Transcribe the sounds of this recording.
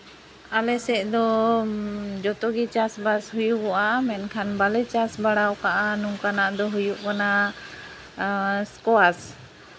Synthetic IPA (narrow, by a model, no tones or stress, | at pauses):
alɛsɛʔd̪ɔ | d͡ʒɔt̪ɔɡit͡ʃasbashujuʔɔʔamɛnkʰanbalɛt͡ʃasbaɽawkaʔanuŋkanaʔd̪ɔɦujuʔkana | skɔas